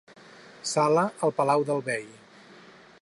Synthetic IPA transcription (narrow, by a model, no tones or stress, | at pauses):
saləəlˠpəlawðəlˠβej